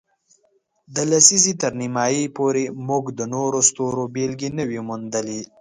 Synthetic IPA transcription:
d̪əlasizit̪əɾnimɑjipoɾemʊɡd̪ənoɾost̪oɾobelɡinəwimund̪əli

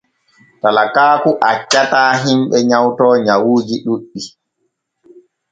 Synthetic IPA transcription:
talakaːkuʔat͡ʃːataːɦimɓɛɲawtɔːɲawuːd͡ʒiɗuɗːi

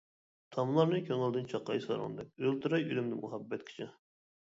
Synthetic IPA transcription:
t̪ʰɑmlˠɑɾnɨkʲʰøŋɪlˠd̪ɪnt͡ʃʰɑqːɑ̰jsɑ̰ɾɨ̰nd̪ɛk̚ʲølt̪ʰuɾɑjylymd̪ɪmuɦɑbːɛt̪kʲʰi̥t͡ʃʰɪ

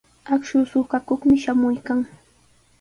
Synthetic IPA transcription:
akʃʊsʊkakoχmɪʃamʊjkaŋ

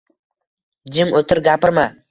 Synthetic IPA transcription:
d͡ʒɪmot̪ʰɪɾɡʲapɪɾma

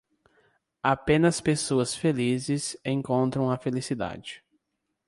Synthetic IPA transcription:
apẽnɐspesoɐsfelizɪsẽkõnt̪ɾɐ̃w̃ɐfelisid̪a̰d͡ʒɪ

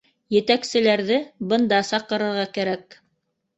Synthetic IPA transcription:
jɘ̆t̪æksɘ̆læɾðɘbɤ̆nd̪ɑsɑqɤ̆ɾɤ̆ɾʁɑkæɾæk

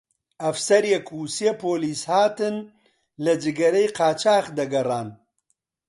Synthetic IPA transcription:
ɐfsɐɾjekʰuːseːpoːliːshaːt̪ɨn | lɐd͡ʒɨɡɐɾejqʰaːt͡ʃʰaːxd̪ɐɡɐraːn

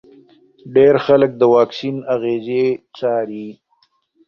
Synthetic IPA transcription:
ɖeɾxalək̚d̪əwɑːksinaɣezet͡ʃaːɾi

